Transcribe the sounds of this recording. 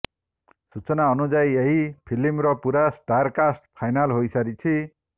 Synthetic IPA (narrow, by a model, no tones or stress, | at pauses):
sut͡sʌnaʌnud͡zajeɦipʰilimɾʌpuɾasɖarkasʈ̚pʰajnalɦojsaɾit͡sʰi